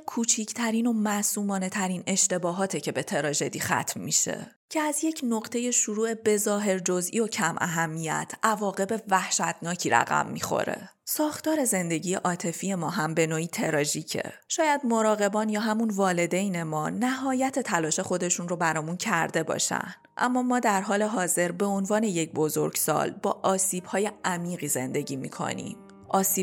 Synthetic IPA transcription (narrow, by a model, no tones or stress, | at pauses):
kʰuːt͡ʃʰicʰt̪ʰæɾiːno̞mæsuːmɒːne̞t̪ʰæɾiːne̞ʃt̪e̞bɒːɦɒːt̪ʰecʰe̞be̞t̪ʰe̞ɾɒːʒe̞d̪iːxæ̰t̪ʰmːḭʃe̞̰ | cʰeæzje̞cʰno̞ɢt̪ʰe̞je̞ʃuɾuːe̞be̞zɒːɦe̞ɾd͡ʒo̞zʔḭo̞cʰæmʔæ̰ɦæmːijæ̰t̪ʰʔævɒːɣe̞be̞væhʃæt̪ʰnɒːcʰiːɾæ̰ɣæ̰mːḭːxo̞̰ɾe̞̰ | sɒːxt̪ɒːɾe̞ze̞nd̪e̞ɟiːjeʔɒːt̪ʰe̞fije̞mɒːɦæmbe̞noːiːt̪ʰe̞ɾɒʒiːcʰḛʃɒːjæd̪mo̞ɾɒːɣe̞bɒːnjɒːɦæmunvɒːle̞d̪e̞jne̞mɒːnæɦɒːjæt̪ʰe̞t̪ʰælɒːʃe̞xo̞d̪e̞ʃunro̞bæɾɒːmuncʰæɾd̪e̞bɒ̰ːʃæ̰n | ʔæ̰mːɒːmɒːd̪æɾɦɒːle̞ɦɒːze̞ɾbe̞onvɒːne̞je̞c̚bo̞zo̞̰ɾɡ̥sɒ̰ːlbɒ̰ːʔɒːsiːb̥hɒːje̞ʔæmiːɣiːze̞̰nd̪e̞ɟiːmḭːkʰo̰nḭm | ʔɒːsiː